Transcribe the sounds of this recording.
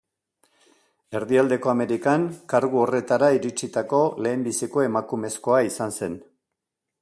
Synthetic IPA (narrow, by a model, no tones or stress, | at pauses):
e̞ɾðiald̪e̞ko̞ame̞ɾikaŋkaɾɣuo̞re̞t̪aɾaiɾit͡sit̪ako̞le̞ːmbisiko̞e̞makume̞sko̞aisanse̞n